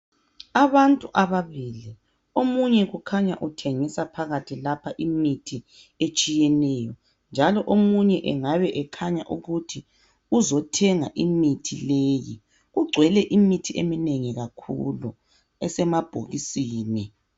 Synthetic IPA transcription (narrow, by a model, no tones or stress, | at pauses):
aβantʼuʔaβaβiːli | omuɲɛɣukʰaɲa̰ʔutʰeŋisapʰaɣatʰilapʰaʔimitʰi | et͡ʃʼijɛnɛjɔ | nd͡ʒʱalɔʔomuɲɛʔɛŋaβɛʔɛkʰaɲa̰ʔuɣutʰi | uzɔtʰɛŋaʔimitʰileːjḭ | ɣuɡ͡ǀʱwɛlɛʔimitʰiemineŋiɣakʰṵlṵ | ɛsɛmab̥ʱo̰ɣisiːni